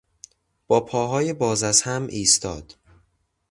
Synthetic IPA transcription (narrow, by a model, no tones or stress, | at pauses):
b̥ɒːpʰɒːɦɒːjebɒːzæzhæmʔiːst̪ʰɒ̰ːd̪̥